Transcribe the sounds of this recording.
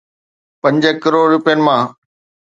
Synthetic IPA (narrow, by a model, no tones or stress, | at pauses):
pɐ̃ɲd͡ʑəkɐɾoːɾɾʊpijənɪ̆mãː